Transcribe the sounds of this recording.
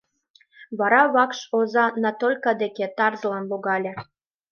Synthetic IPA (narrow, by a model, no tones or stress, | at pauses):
βɑɾɑβɑkʃozɑnɑt̪olʲkɑd̪eket̪ɑrzəlɑnloɣɑlʲĕ